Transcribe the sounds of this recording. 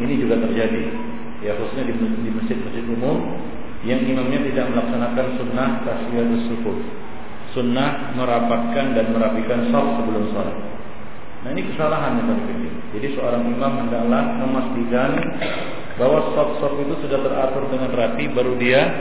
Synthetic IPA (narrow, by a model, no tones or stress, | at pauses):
inid͡ʒuɡat̪ərd͡ʒadi | jaxusu̥sɲadidiməsd͡ʒɪt̪̚məsd͡ʒɪt̪umʊm | jaŋimamɲat̪idaʔ̚məlaksanakansunːahkasiad̪əsukʊt̪̚ | sunːahməɾapat̪̚kandanməɾapikansɔf̚səbəlʊmsola̰t̪̚ | naɦinikəsalaɦanɲat̪alikəbi | d͡ʒadisəoɾaŋimamhəndaklahməmast̪ikan | baɦwasɔp̚sɔpit̪usudaht̪ərat̪ʊrdəŋanrap̪ibaɾudia